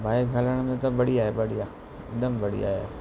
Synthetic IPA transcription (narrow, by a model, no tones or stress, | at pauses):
bʱaːeɡʱaːləɽ̃mẽt̪ɐbɐɽiaːɦebɐɽijaː | ɗ̪əmbɐɽḭa̰ːɦe